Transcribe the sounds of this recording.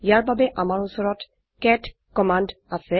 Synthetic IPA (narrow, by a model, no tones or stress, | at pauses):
jaɹbʱabeʔamaɹusɔɹɔt | kɛt | kɔmand | asɛ